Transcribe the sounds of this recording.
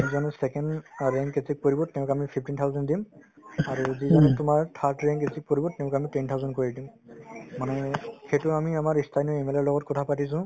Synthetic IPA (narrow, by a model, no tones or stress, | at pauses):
zizanɛsɛkɛnɹɛŋkesʰik̚poɹibɔtɛʊ̃kamipʰip̚ʰtintʰawzɛndimaɹuzizanɛtʊmaɹtʰatɹɛŋkesʰik̚poɹibɔtɛʊ̃kamitɛntʰawzɔnkoɹidimmanɛxetʊamiamaɹistʰajnɔɛmɛlɔɹlɔɡɔt̚kɔtʰapatis̬ʊ̃